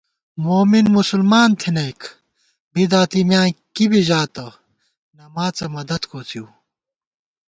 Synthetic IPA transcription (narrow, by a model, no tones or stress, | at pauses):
moːminmusulmaːnt̪ʰinɐjkʰ | bid̪aːt̪imjãːkibiʑaːt̪ɐ | nɐmaːt͡sɐmɐd̪ɐd̪kʰoːt͡s̪ʰjuː